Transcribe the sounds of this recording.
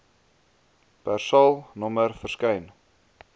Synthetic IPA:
pærsɐlˠnɔmərfərskɛjn

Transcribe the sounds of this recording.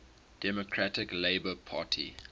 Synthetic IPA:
d̥ɛmokʰɹatɪkleɪbəpʰaːtʰḭ

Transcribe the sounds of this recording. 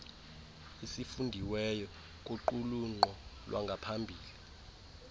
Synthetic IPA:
isifundʱiwɛjɔ | kʼuǃuluŋ͡ǃɔlwa̰ŋɡʱapʰambʱiːli

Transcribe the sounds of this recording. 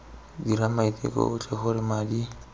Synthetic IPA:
diɾamait̪ʼḛkʼɔ̰ʊt͡ɬʼɛxʊɾɪmadi

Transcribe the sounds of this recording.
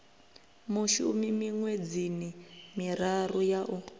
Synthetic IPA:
muʃumimiŋwed͡zinimiɾarujaʔu

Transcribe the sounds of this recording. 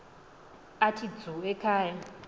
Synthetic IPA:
atʰid͡zɔɛkʰaːja

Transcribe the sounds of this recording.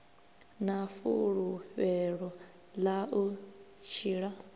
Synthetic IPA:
nafṵɺuɸɛɺɔ | laʔu | t͡ʃʰiːɺa

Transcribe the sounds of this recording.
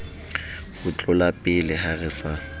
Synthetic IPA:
hʊt͡ɬʼʊlapʼɪlɪharɪsa

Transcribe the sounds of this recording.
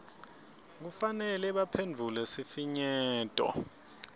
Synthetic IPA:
k̬ufanɛlɛɓapʰend͡vʱulɛsifiɲɛːtʼɔ̰

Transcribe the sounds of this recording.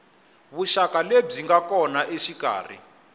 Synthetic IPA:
βuʃakaleb͡ʐiŋɡakɔnaʔeʃika̰ːr̤ḭ

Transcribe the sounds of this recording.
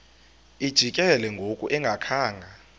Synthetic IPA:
id̥ʒ̥ʱikʼɛlɛŋɡʱokʼuʔɛŋɡʱakʰaːŋɡʱa

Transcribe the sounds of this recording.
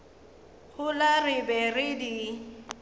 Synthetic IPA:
ɣʊlarɪbɛrɪdi

